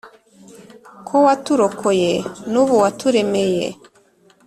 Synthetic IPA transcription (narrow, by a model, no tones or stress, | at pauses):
kʰowatuɾokʰojenuβuwatuɾe̞mejḛ